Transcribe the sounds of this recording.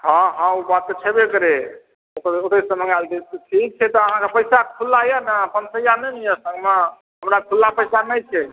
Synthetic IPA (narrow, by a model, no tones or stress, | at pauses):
hãɦãubat̪̚kət͡ʃʰɛbekəɾe | okəɾoʈəsəmə̃ɡald̪et̪ʈʰik̚t͡ʃʰɛt̪ɔəɦãkepəjsakʰulːajanəpənsəjanɛnijəsəŋɡme | ɦəmɾakʰulːapəɪsanɛt͡ʃʰɛ